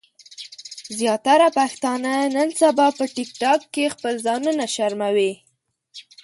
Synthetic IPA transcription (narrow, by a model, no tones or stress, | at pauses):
zjɑt̪aɾapaxt̪ɑnanənsabɑpəʈɪk̚ʈɑkːexpəlzɑnunaʃaɾmawi